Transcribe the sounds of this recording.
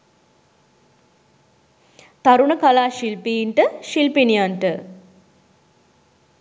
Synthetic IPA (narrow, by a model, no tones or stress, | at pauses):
t̪aɾuɳəkalaːʃilpiːnʈəʃilpinijaɳʈə